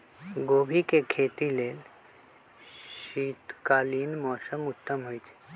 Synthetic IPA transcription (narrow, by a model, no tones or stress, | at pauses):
ɡoːbʱikekʰeːt̪ileːl | ʃiːt̪kaːliːnmɔːsəmʊt̪ːəmɦojt͡ʃʰe̥